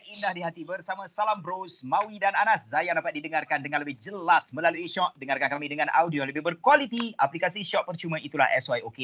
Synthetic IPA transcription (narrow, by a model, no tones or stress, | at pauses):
nindahdiɦat̪ibərsamãsalambɾosmawidananaszajandapat̪̚didəŋarkandəŋanləbɪhd͡ʒəlasmə̃laluiʃɔʔ̚dəŋarkankamĩdəŋãna̰wdioləbɪhbərkwalit̪iʔaplikasiʃɔʔ̪̚pərt͡ʃumãit̪ula̰hʔɛ̰sajoke